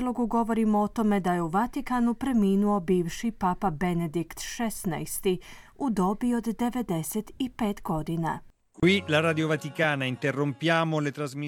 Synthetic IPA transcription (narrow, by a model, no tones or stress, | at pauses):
lo̞ɡuɡo̞ʋo̞ɾimoot̪o̞me̞d̪aje̞uʋat̪ikanupɾe̞miːnuo̞biːʋʃipapabened̪ikt̪ʃesna̰jst̪i | ud̪o̞bio̞d̪ːe̞ʋed̪eset̪ipeːt̪ɡo̞d̪ina̰ | kwilaɾaːd̪iovat̪ikaːnaint̪erːompjaːmolet̪ɾazmi